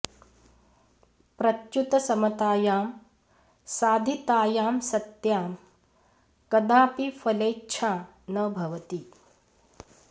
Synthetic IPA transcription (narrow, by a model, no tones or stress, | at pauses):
pɾɐt͡ʃjut̪ɐsɐmɐt̪aːjaːm | saːd̪ʱit̪aːjaːmsɐt̪jaːm | kɐd̪aːpifɐleːtːt͡ʃʰaː | nɐbʱɐʋɐt̪i